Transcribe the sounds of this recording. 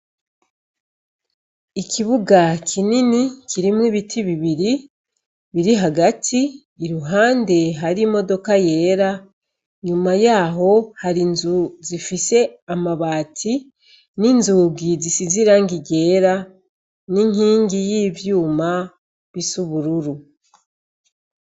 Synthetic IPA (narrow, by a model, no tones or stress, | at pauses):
ikʰiβuɡakʰininikʰiɾimwiːβitʰiβiβiɾi | βiɾiɦaɡatʰiː | ɾuɦaːnde̞ɦaɾimo̞do̞kaje̞ːɾa | ɲumajaːɦo̞haɾinzuzifise̞amaβaːtʰi | ninzuːɡizisiziɾaŋɡiɟe̞ːɾa | niŋiːŋɡijiːvjuːma | βisuβuɾuɾu